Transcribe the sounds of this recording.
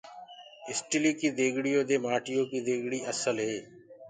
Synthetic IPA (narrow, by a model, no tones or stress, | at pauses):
ɪsʈɪliːkiːd̪eːɡɽɪjoːd̪eːmaːʈɪjoːkiːd̪eːɡɽiːəsəlɦeː